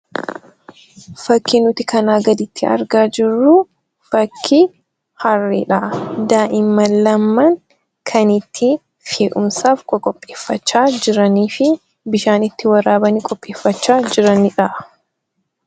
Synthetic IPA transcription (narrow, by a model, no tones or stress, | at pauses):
fɐkːɪnʊt̪ɪkɐnaːɡɐd̪ɪt̪ːɪɐ̰ɾɡaːd͡ʒɪrːu | fɐkʰːi | hɐrːiᶑɐʔd̪aːʔɪmːɐlːɐmːɐŋ | kʰɐnɪt̪ʰːɪ | feːʔʊmsaːfkʼɔkʼɔpʼːeːfːɐt͡ʃːaːd͡ʒɪɾɐniːfɪ | bɪʃaːnɪt̪ːɪwɐɾaːbɐnikʼɔpʼːeːfːɐt͡ʃːaːd͡ʒɪɾɐnɪᶑɐʔ